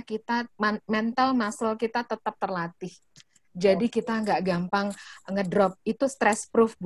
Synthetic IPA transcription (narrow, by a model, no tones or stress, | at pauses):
kit̪amɛnt̪almasalkit̪at̪ət̪əp̚t̪ərlat̪ɪh | d͡ʒadikit̪aŋɡaʔɡampaŋŋədɾɔp̚it̪ust̪ɾɛspɾufb